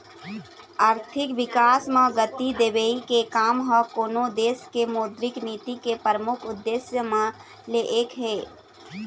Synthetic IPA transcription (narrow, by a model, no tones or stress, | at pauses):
aːɾt̪ʰɪkʋɪkaːsmãɡət̪id̪eːbeikekaːmɦɔkoːnod̪eːskemoːd̪ɾɪkniːt̪ikepɾəmʊkʰʊd̪ːesjəmẽ | leʔeːkɦeː